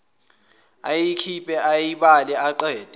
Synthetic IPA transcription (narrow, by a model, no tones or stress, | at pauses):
ajikʰipʼɛʔajiɓalɛaǃɛːtʼ